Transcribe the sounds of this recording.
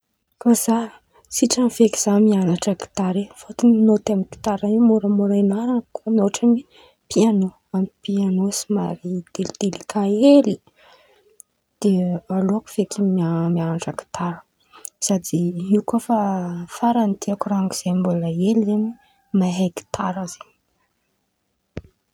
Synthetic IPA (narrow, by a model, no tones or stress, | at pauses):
koza | siʈ͡ʂamiveki̥z̥amianaʈ͡ʂaki̥t̪aɾefot̪innot̪amiki̥t̪aɾanimuɾəmuɾajnaɾankomioʈ͡ʂami | piano | amipianosimaɾid̪̥elid̪̥elikʰaeli | d̪̥ealoaku̥v̥ekimamianaʈ͡ʂaki̥t̪aɾə̥ | sad̪iiukofafaɾant̪iakuraŋkiz̥embulaelizeni | maɦajki̥t̪ʰaɾaz̥eɲ